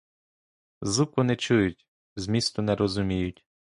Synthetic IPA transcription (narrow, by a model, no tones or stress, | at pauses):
zukʊnɛt͡ʃujʊtʲ | zmʲist̪ʊnɛɾɔzʊmʲijʊtʲ